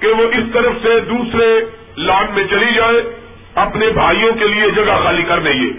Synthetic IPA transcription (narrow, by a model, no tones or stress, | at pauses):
keʋoʔɪst̪ɐɾəfsed̪uːsɾe | laːɖmẽt͡ʃɐlid͡ʒaːe | ɐpnebʱaːijõkelied͡ʒɐɡaxaːlikɐɾneːḛː